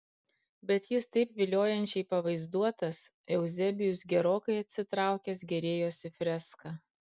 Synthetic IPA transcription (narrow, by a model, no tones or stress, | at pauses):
bʲɛt̪jɪst̪ɐɪpʋʲɪlʲoːjɛnʲt͡ʃʲɛɪpɐʋɐɪzd̪uɔt̪ɐs | ɛʊzʲɛbʲɪjʊs̬ɡʲɛɾoːkɐɪɐt̪ʲsʲɪt̪ɾɑˑʊkʲɛs̬ɡʲɛɾʲeːjoːsʲɪfʲɾʲɛskɐ